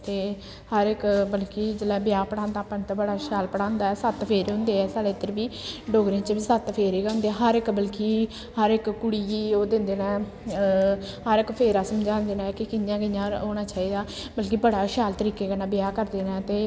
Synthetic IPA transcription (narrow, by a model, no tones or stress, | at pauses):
t̪eː | həɾɪkbəlkiːd͡ʒəlaːbɪjaːpəɽãːnd̪aːpant̪ːbəɽaːʃaːlpəɽãːnd̪aːɛːsət̪pʰeːɾːɦʊ̃nd̪eːɛːsaːɽeːt̪əɾbiːɖoːɡɾẽːt͡ʃʋiːsət̪pʰeːɾeːkəʊ̃nd̪eːɛːɦəɾɪkbəlkiː | ɦəɾɪkːʊɽiːioːd̪ɪ̃nd̪eːnaːɛ | ɦəɾɪkpʰeːɾaːsəmd͡ʒãːnd̪eːnaːɛkikɪjãːɡəjãːoːnaːt͡ʃaːiːd̪aːbəlkibəɽaːʃaːlt̪əɾiːkeːkənaːbɪjaːkəɾd̪eːnaːt̪eː